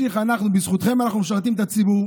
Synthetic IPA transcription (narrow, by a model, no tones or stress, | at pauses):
iχanaχnubisχut̪χemanaχnumʃ̬aʁt̪imet̪at͡sibuʁ